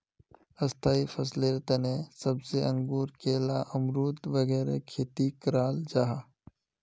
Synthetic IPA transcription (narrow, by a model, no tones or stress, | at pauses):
ɐst̪ʰaːifʰɐsleɾt̪ɐnẽsɐbseʔə̃ŋɡuːɾkeːlaʔɐmɾuːt̪ʋɐɣɛːɾḛkʰeːt̪ikɾaːld͡ʒaːɦaː